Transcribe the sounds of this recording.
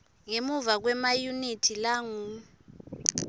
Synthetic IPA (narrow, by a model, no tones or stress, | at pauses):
ŋemuvak̬wɛmajunitʰilaŋum